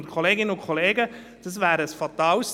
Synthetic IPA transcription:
nkʰoleːɡɪnəʊnkʰɔleːɡə | d̥ɑs̬væːɾəsfɑtɑːls

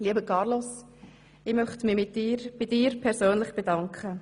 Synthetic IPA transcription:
liəbəkʰɑɾlos | ɪːmœχtmɪmɪtɪɾb̥ɪdɪːɾpʰɛɾsøːnlɪχb̥edɑŋkχə

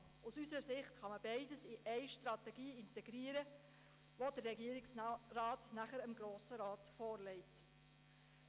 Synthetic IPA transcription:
usysəɾəsɪχtχɑməbɛɪdəsiʔɛɪʃtrɑtɛɡiːɪntɛɡɾiːəɾə | ʋodərːɛɡiəɾɪksrɑːtnæχəɾəmɡɾoːsəɾɑːtfɔːɾlɛɪt

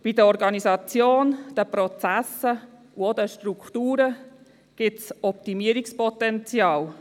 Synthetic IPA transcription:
b̥idəɔɾɡɑnizɑt͡sjoːnd̥əpɾɔt͡sæsə | uodəʃtrukχtuːɾə | ɡ̥ɪtsɔp̚timiəɾikspɔtɛnt͡sjɑːl

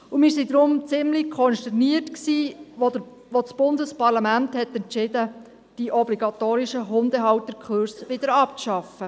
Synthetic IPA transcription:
umɪːɾsid̪ɾʊmt͡sɪmlikʰɔnʃtɛɾniətksiː | ʋot͡sb̥ʊndəspɑɾlɑmænthɛtɛnt͡ʃɪd̥ə | d̥iʔɔbliɡɑt̪oːɾiʃəɦʊnd̪əɦɑwt̪ːəkʰχøɾsʋɪd̥̪əɾɑpt͡sʃɑfə

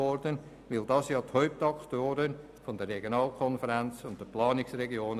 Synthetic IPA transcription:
ɔɾdən | ʋɪldɑːsjɑːthœʏp̚tɑktoːɾən | fɔndərːɛɡjonɑːlkʰɔnfəɾænt͡sʊnt̚d̥əplɑːnɪksrɛɡjoːn

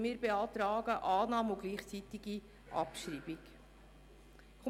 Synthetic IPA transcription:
miːɾbeɑːt̪ɾɑːɡəʔɑːnɑːmuɡliːχt͡sit̪iɡi | ʔɑ̰pʃɾiːbik | k

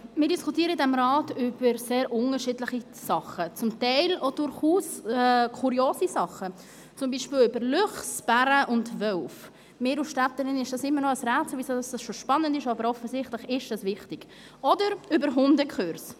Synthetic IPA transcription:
mɪːɾdiskʰutiːəɾədɛmɾɑːtʏb̥əɾseːɾʔʊŋəɾʃiːdləχi | sɑχət͡sʊmtɛɪlod̥ʊɾχuːsɛkʰuɾioːsisɑχːə | t͡sʊmbiːʃpiːlʏbəɾlʏχsb̥æɾəʔʊndvœwf | mɪːɾuʃtætːəɾɪnɪʃd̥ɑsɪmːəɾnɔəsɾɛːt͡sləvisədɑsd̥ɑsʃoʃpɑnːəndɪʃɑbəɾɔfəsɪχtləχɪʃd̥ɑsvɪχtɪɡ̥ | ɔdəɾʏbəɾɦʊndəkχøɾs

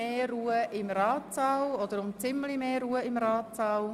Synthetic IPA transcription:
eːruːəʔɪmɾɑːtsɑwɔd̥̪əɾʊmt͡sɪmlimeːɾuːəɪmɾɑːtsɑw

